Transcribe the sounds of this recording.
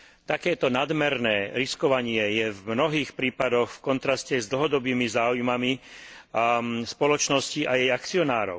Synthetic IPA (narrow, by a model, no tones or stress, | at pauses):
t̪akɛːt̪ɔnad̪mɛɾnɛːɾiskɔʋaɲɪɛjɛvmnɔɦiːxpɾiːpad̪ɔxfkɔnt̪ɾascɛzd̪l̩ɦɔd̪ɔbiːmizaːujmami | spɔlɔt͡ʃnɔsciʔajɛjakt͡siɔnaːɾɔ̰ʊ